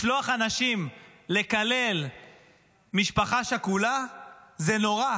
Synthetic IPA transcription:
ʃloaχanaʃimle̞kale̞l | miʃpaχaʃekulazeno̞ʁa

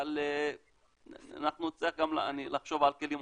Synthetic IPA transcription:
le | a̰naχnuot͡siaχɡamla̰nilaχʃovalkelim

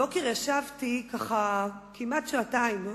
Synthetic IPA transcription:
okiʁaʃavtikaχakimatʃoataim

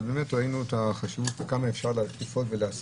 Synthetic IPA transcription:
bemetʁainuet̪aχaʃivutvekamaefʃaʁleat̪ifotveleas

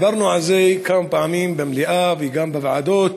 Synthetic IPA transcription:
bɐɾˤnuʕazejkaːmpaːmiːmbamliʔaːvjɡaːmbavʕa̰d̪oːt̪

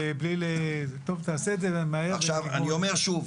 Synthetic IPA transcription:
eblilet̪o̞vt̪aːsezevemaeaχʃʃava̰nnio̞meʁʃuv

